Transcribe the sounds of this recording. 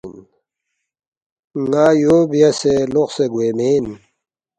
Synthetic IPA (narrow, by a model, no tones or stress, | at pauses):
n | ŋaːjoːbijaseloqseɡwemeːn